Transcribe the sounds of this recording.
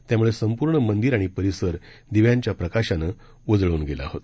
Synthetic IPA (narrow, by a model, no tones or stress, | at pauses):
t̪jamuɭesəmpuːɾɳəmənd̪iɾaɽ̃ipəɾisəɾd̪iʋjãɲt͡ɕjapɾəkaɕanə | ʋəd͡zɭəuːnɡela̰ːɦot̪